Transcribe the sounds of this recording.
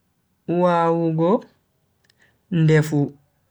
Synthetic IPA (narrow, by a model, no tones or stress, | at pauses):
waːwuɡɔ | ndɛfu